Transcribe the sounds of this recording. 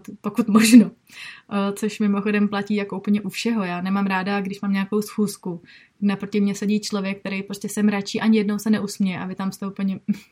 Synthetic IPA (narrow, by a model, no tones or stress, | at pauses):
t̪pokut̪moʒno | t͡so̞ʃmɪmo̞xo̞dɛmplaciːjakoup̩ɲɛʔufʃɛɦo̞jaːnɛmaːmɾaːdaɡdɪʃmaːmɲaako̞wsxuːskuɡnapɾocɪmɲɛsɛɟiːt͡ʃlo̞vjɛk̚ːt̪ɛɾejpɾo̞scɛsɛmɾat͡ʃiːʔaɲɪjɛdnowsɛnɛʔusmɲɛjɛʔa̰vɪt̪amst̪ɛupl̩ɲɛ